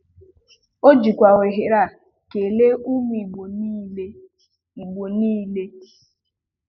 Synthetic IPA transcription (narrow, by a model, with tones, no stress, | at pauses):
o˦d͡ʒi˨kʷa˨ɣe˨ɦe˨ɾa˦˨ | ke˨le˦ʔu˦mi˨ɡ͡bo˨ni˦le˦ | i˨ɡ͡bo˨niː˦le˦